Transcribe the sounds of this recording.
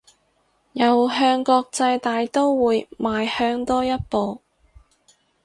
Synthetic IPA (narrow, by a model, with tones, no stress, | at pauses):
jɐ˨wɦœː˧ŋkɔː˧k̚t͡sɐ˧jt̪aː˨jt̪o˥wwuː˨˧jmaː˨jhœː˧ŋt̪ɔː˥jɐ˥t̚po˨˧w